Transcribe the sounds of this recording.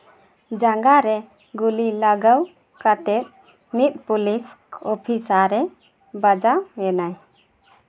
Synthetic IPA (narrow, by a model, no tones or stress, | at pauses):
d͡ʒaŋɡaɾɛ | ɡulilaɡəw | kat̪ɛp̪̚ | mit̪̚pulis | ɔpʰisaɾɛ | bad͡ʒaɛnaj